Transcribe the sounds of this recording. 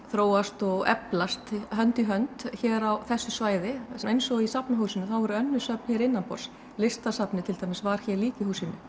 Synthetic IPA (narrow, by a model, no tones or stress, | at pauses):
θɾoːwast̪ɔɣɛ̰plast̪ɦœnt̪iɦœnt̪çɛːɾawθɛsːʏsvaːjðɪejnsɔisapnaɦuːsɪnʏθawɛɾʏœnːʏsœp̚n̥çɛɾɪnːanpɔ̰ɾ̥s | lɪst̪asapnɪt̪ʰɪlt̪ʰajmɪsvaɾ̥çɛɾliːcɪhuːsɪnːʏ̰